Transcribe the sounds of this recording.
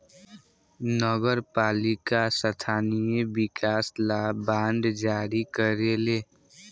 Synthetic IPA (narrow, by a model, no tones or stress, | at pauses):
nɔɡəɾpaːlɪkasət̪ʰaːnijebɪkaːslabãːnɖ̪d͡ʒaːɾikəɾeleː